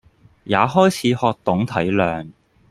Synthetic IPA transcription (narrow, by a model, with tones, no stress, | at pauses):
jaː˨˧ɦɔː˥jt͡sʰiː˨˥hɔː˧k̚t̪ʊ˨˥ŋt̪ʰɐ˨˥jlœː˨˩ŋ